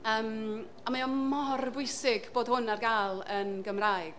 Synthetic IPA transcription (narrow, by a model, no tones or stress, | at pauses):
əːm | amaɔmɔrbʊɨsɪɡb̥oːd̥hʊnarɡalˠənɡəmrajɡ̥